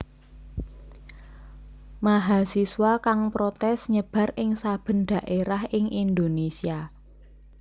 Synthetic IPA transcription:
maɦasiswakaŋpɾot̪ɛsɲəb̥a̤rʔɪŋsab̥ə̤nɖ̪̥a̤ʔeɾahʔɪŋʔind̪onesia

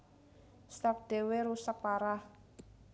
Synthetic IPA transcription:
st̪ap̚d̪̥e̤weɾusək̚paɾah

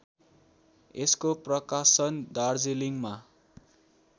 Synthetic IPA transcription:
eskoprʌkasʌnd̪ard͡zeliŋma

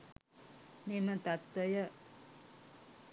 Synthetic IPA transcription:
memət̪at̪wəjə

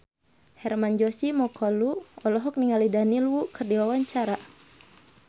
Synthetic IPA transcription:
hɛrmand͡ʒɔsimɔkʰɔluɔlɔɦɔk̚niŋalidanilwukərdiwawaɲt͡ʃaɾa

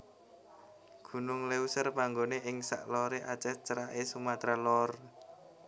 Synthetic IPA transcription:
ɡ̥ṳnʊŋleusərpaŋɡoneʔɪŋsa̰ʔlɔɾeʔat͡ʃɛt͡ʃəɾaʔesumat̪ɾalɔr

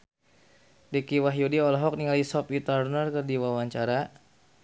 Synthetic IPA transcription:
dekiwaɦjudiɔlɔɦɔk̚niŋalisɔpit̪arnərkərdiwawaɲt͡ʃaɾa

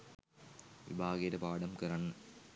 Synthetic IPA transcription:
ʋḭbʱaːɣɐjɐɾɐpaːɽɐmkɐɾɐɳ

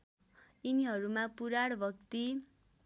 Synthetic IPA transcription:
iniɦʌɾumãpuɾaɽbʱʌk̚t̪i

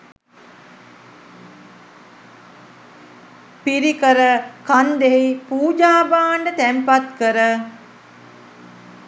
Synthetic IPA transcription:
piɾikəɾəkand̪eɦipuːd͡ʒaːbaːɳɖət̪ɛmpat̪kəɾə

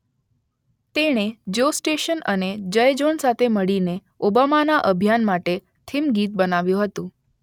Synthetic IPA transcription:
t̪eɽ̃ed͡ʒosʈeʃənəned͡ʒəjd͡ʒonsat̪ʰeməɭine | obamanaʔəbʱjanmaʈe | t̪ʰimɡit̪̚bənaʋjũɦət̪ũ

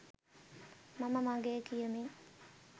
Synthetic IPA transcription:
maməmaɡekijəmi

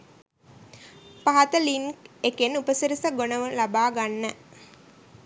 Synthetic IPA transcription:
paɦat̪əliŋkekenupəsiɾisəɡonəʋəlabaːɡanːə

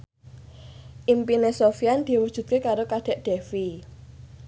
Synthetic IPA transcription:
ʔimpinesofiand̪̥i̤wud̥ʒ̥ṳt̪̚kekaɾokad̪̥ɛ̤ʔd̥e̤fi

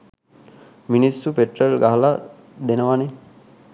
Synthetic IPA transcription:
minisːupeʈrəlɡaɦɐla | d̪enəʋane

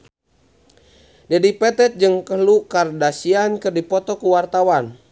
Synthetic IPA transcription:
dɛdipɛt̪ɛt̪̚d͡ʒɨŋkəɦlukardasiankɨrdipɔt̪ɔkuwart̪awan

